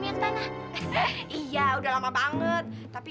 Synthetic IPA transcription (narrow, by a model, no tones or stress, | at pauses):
mint̪anah | ʔijaudahlamabaŋət̪̚ːapi